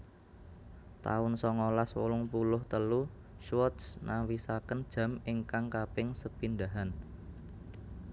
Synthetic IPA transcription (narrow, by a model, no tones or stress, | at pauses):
t̪a̰ʊnsɔŋolaswɔ̰lʊŋpulʊht̪əlu | ʃwɔt̪snawisakənd̥ʒ̥a̤mɪŋkaŋkapɪŋsəpindaɦan